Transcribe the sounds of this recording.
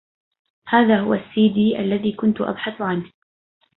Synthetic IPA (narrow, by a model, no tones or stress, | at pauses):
haːðaːɦʊwasːiːd̪iːʔalːaðiːkʊnt̪ʊʔa̰bħaθʊʕan